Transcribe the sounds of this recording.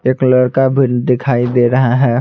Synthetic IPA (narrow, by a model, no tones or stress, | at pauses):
eːklɐɽkabʱɪnd̪ɪkʰaːid̪eːɾɐɦaɦɛː